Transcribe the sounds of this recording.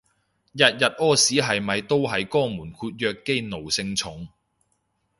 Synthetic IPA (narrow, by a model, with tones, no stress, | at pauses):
jɐ˨t̚jɐ˨t̚ɔː˥siː˨˥ɦɐ˨jmɐ˨jt̪o˥wɦɐ˨jkɔː˥muː˨˩nkʰuː˧t̚jœː˧kːe˥jno˨˩wsɪ˧ŋt͡sʰʊ˨˥ŋ